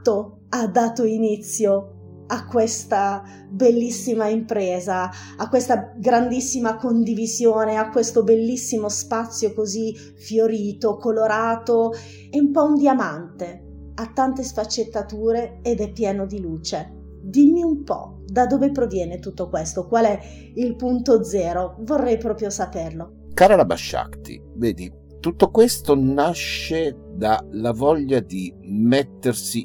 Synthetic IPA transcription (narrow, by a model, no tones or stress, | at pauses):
o | ad̪ːaːt̪oinit̪sːjo | akːwest̪a | belːisːimaimpɾɛːzaː | kːwest̪aɡɾand̪isːimakond̪ivizjoːneakːwest̪obelːisːimospat̪sːjokozi | fjoɾiːt̪okoloɾaːt̪o | eumpɔund̪iamant̪e | at̪ːant̪esfat͡ʃːet̪ːat̪uːɾeːd̪ɛpːjɛːnod̪iluːt͡ʃe | d̪imːiumpɔ̰ | d̪ad̪oːvepɾovjɛːnet̪ut̪ːokwest̪okwalɛ | ilpunt̪od̪zɛːɾovorːɛjpɾɔːpɾjosaperlo | kaːɾalaba̰ʃːa̰kt̪ḭ | veːd̪i | t̪ut̪ːokwest̪onaʃed̪alavɔʎːad̪imet̪ːersi